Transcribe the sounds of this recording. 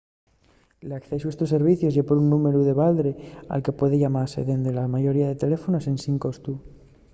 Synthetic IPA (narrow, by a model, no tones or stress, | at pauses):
lakθe̞s̬uest̪osːe̞ɾβ̞iθjozʝepoɾunːume̞ɾuðe̞βald̪ɾea̰lke̞pwe̞ðeʝamaɾse̞̰ðe̞nd̪elamaʝo̞ɾiaðe̞t̪e̞le̞fo̞nose̞nsiŋkost̪u